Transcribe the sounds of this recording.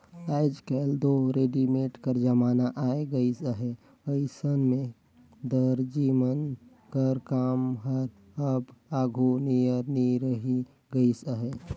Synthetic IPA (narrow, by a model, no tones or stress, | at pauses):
aɪd͡ʒkeld̪oɾeɖimeʈkəɾd͡ʒəmaːnaʔaeɡəisəɦe | əisənmẽ | d̪əɾd͡ʒimən | kəɾkaːmɦəɾ | əbaɡʱunijəɾniɾəɦi | ɡəisəɦe